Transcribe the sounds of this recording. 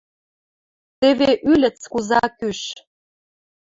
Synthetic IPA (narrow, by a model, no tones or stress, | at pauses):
t̪eβeʔylʲə̆t͡skuzɑkyʃ